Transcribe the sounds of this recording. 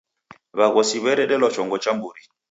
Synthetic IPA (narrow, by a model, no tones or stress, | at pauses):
βaɣɔsiβɛɾɛɗɛlɔt͡ʃɔŋɡɔt͡ʃambuɾi